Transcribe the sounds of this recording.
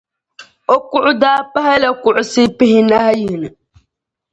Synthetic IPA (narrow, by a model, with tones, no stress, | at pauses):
o˦kʊ˦ʔʊ˦daː˦pa˦ha˦la˨kʊ˨ʔʊ˨sɪ˦pɪ˦hɪ˦na˦ha˦ji˨nɨ˨